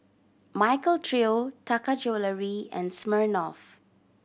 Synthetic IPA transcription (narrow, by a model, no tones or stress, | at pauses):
majkəltʰɹiotakad͡ʒoləɹiɛ̰̃nsməɹnɔf